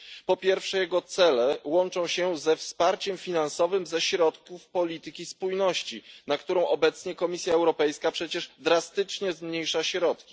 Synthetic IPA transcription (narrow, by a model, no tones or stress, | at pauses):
pɔpʲjɛɾfʂɛjɛɡɔt̪sɛlɛwɔnt͡ʂɔ̃w̃ɕɛzɛfspaɾt͡ɕɛmfʲinansɔvɘmzɛɕɾɔt̪kufpɔlʲit̪ɘkʲispujnɔɕt͡ɕinakt̪uɾɔ̃w̃ʔɔbɛt̪sɲɛkɔmʲisʲjaɛwɾɔpɛjskapʂɛt͡ɕɛʐd̪ɾast̪ɘt͡ʂɲɛzmɲejʂaɕɾɔt̪kʲi̥